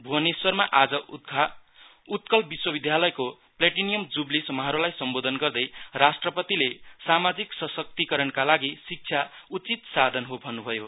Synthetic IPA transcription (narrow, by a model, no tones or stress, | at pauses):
bʱuʌneswʌrmaʔad͡zʌ | ut̪̚kʌlbiswʌbid̪ʱjalʌjko | pleʈinijʌmd͡zublisʌmʌɦʌɾulajsʌmbod̪ʱʌnɡʌrd̪ʌjrasʈrʌpʌt̪ilesamad͡ziksʌsʌk̚t̪ikʌɾʌnkalaɡisik̚t͡sʰjaut͡sit̪sad̪ʱʌnɦobʱʌnːubʱʌjo